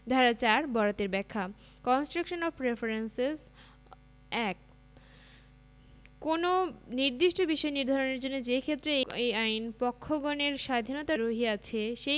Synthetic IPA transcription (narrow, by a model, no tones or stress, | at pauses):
d̪ʱaɾat͡ɕaɾbɔɾat̪eɾbɛkʰːa | kɔnsʈɾakʃonɔfɾefaɾenses | ɛk̚ | kononiɾd̪iʃʈobiʃɔeniɾd̪ʱaɾoneɾd͡ʑonːod͡ʑekʰet̪ːɾeejajnpɔkʰːoɡɔneɾʃad̪ʱinot̪aɾoɦiat͡ɕʰeʃe